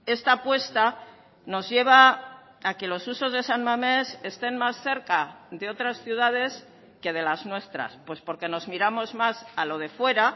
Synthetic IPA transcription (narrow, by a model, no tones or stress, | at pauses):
e̞st̪apwe̞st̪a | no̞zʝe̞β̞aː | ke̞lo̞suso̞zðe̞sanmame̞se̞st̪e̞nmasθe̞ɾkaðe̞o̞t̪ɾasθjuð̞að̞e̞s | ke̞ð̞e̞laznwe̞st̪ɾa̰spwe̞spo̞ɾke̞no̞zmiɾamo̞zmasalo̞ð̞e̞fwe̞ɾa